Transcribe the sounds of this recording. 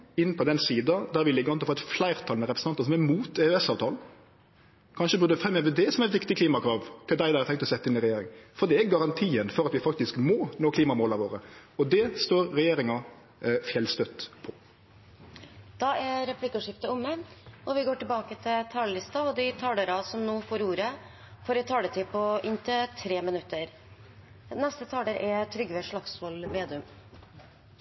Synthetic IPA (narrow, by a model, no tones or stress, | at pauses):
ɪnːpʰɔd̪ɛnsiːd̪ɑd̪æɾʋɪlɪɡːəʁɔnɔfoːɛt̪flæɪɾt̪ʰɑlnəɾɛpɾs̩ɑnɑsɔmæmuːt̪ɛʉɛsɑːʋt̪ʰɑːln̩ | kʰɑnʃəbʉːd̪ɛfʁɛmːəʋəd̪ɛsɔmɛt̪ʋɪkt̪ɪkʰliːmɑkʰɾɑːʋt̪ʰɪld̪æɪd̪ɑːæɾt̪ʰɛŋkt̪ɔsɛt̪ːɪnɪɾɛjeːɾɪ̰ŋfɔɾd̪ɛæɾɡɑɾɑnt̪ʰiːənfɔɾɑt̪ʋɪfɑkt̪ɪskmɔnoːkʰliːmɑmoːlɑʋoːɾəɔd̪ɛst̪oːɾɾɛjeːɾɪŋɑ | fjɛlst̪œt̪ːpʰɔ | d̪̥ɑʔæɾɛpʰlɪkːʉʂɪft̪əʊmːəɔʋɪɡoːʈɪlbɑːkət̪ʰɪlt̪ʰɑːləlɪst̪ɑɔd̪ɪt̪ʰɑːləɾɑsɔmnoːfoːɾuːɾə | fɔɾɛt̪ʰɑːd̪ɛt̪ʰɪpʰɔʔɪnt̪ʰət̪ʰɾeːmɪnʉt̪ːəɾ | nɛst̪ət̪ʰɑːləɾʔɛt̪ʰɾʏɡʋeːʂɭɑksʋɔlʋeːd̪ɪʉm